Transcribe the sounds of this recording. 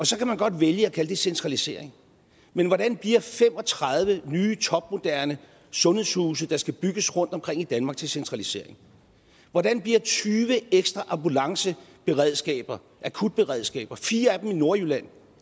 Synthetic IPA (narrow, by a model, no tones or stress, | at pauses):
ɒ̽sɒ̽kʰæmænɡ̥ɒ̽d̥ʋeljəɒkʰæləd̥e̝sent͡sʰʁɑ̈lise̝ɐeŋ | menʋɒɾ̥ænb̥liɐ̰fem̰ɒ̽t͡sʰʁɑð̞ˠʋənyːt͡sʰɒ̽b̥̚mo̝d̥æɐnə | sɔ̽nhe̝ð̰ˠshuːs̬əd̥ɑ̈sɡ̥æb̥yɡ̥əsʁɔ̽n̰d̥ɒ̽mkʰʁeŋ̰id̥ænmɑ̈ɡ̥̚t͡sʰe̝lsent͡sʰʁɑ̈lise̝̰ɐe̝ŋ | ʋɒdænb̥liɐ̰t͡sʰyːʋəeɡ̥sd̥ʁɑʔɑ̈mbulɑ̈ŋsəb̥e̝ʁɛð̞̰ˠsɡ̥ɛ̰ːb̥ɐ | ʔækʰud̥̚b̥e̝ʁɛðˠsɡ̥ɛ̰ːb̥ɐfiːɐæd̥em̩ino̝ɐjylæn̰